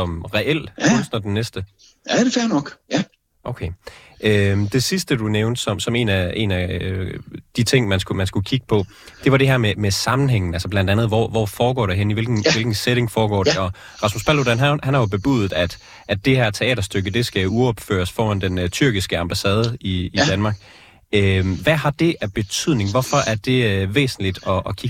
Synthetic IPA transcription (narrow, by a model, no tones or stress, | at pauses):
sɒ̽mʁɛʔel̰unsnɐd̥enːesd̥ə | æɾ̥efæɐnɒɡ̥æ | ʔoʊkʰeød̥e̝sisd̥əd̥uneʊnd̥sɒ̽msɒ̽me̝̰ːnæe̝̰ːnæ | d̥it͡sʰe̝ŋ̰mænsɡ̥umænsɡ̥ukʰiɡ̥ə̥pʰɒ̽ | d̥e̝ʋɑ̈ɾe̝ɦæɐmemesɑ̈mn̩ɦeŋ̰n̩ælsɒblænd̥ænð̞̩ˠʋɒ̰ʋɒ̰ːfɒːɡ̥ɒ̰ːɾ̥eɦenəiʋe̝lɡ̥n̩elɡ̥n̩seɾ̥e̝ŋfɒːɡ̥ɒ̰ːdeɒ̽ | ʁɑ̈smusb̥ælod̥ænɦænhænhɑ̈jo̝b̥e̝b̥ṵðð̩ˠæd̥ | ʔæd̥e̝ɦæɐ̰t͡sʰe̝ɛ̰ːɾɐsd̥øɡ̥əd̥e̝sɡ̥æuɒ̽b̥fø̰ːɐsfɒːænd̥ent͡sʰyɐ̰ɡ̥isɡ̥əɑ̈mb̥æsɛːð̞ˠəiːd̥ænmɑ̈ːɡ̥ | øʋæɦɑ̈d̥e̝ʔæb̥e̝t͡sʰyð̰ˠne̝ŋʋɒfɒ̽ʔæɐd̥e̝ʋḛːsn̩lid̥ɒ̽ːkʰiɡ̥